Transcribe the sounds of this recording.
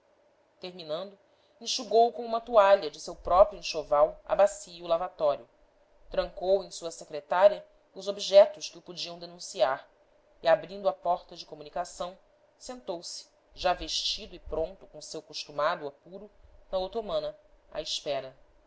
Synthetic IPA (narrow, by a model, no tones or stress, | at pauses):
t̪eɾminɐ̃nd̪ʊ | ĩʃuɡowkõũmɐt̪uaʎɐd͡ʒɪsewpɾɔpɾjuẽʃovawɐ̰basiːlavat̪ɔɾjʊ | t̪ɾɐ̃ŋkowẽj̃suɐsekɾet̪aɾiɐ | ʊzobiʒɛt̪ʊʃkɪʊpud͡ʒiɐ̃w̃d̪enũsiaɾ | iabɾĩnd̪ʊapɔɾt̪ɐd͡ʒɪkomunikasɐ̃w̃ | sẽnt̪owsɪ̥ | ʒaveʃt͡ʃid̪ʊɪpɾõnt̪ʊkõsewkoʃt̪umad̪ʊapuɾʊnɐowt̪omɐ̃nɐa̰iʃpɛɾɐ